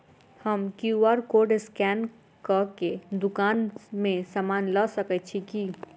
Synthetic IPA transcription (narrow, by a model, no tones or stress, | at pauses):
həmkuaɾkoɖskɛn | kəked̪ʊkaːnmẽsamaːnləsəkɛt̪̚t͡ʃʰiki